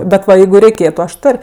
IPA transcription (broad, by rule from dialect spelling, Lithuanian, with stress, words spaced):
bʲɛt ˈʋɐ ˈjɛɪɡʊ rʲɛɪˈkʲeːtʊ ɐʃ ˈtoːrʲ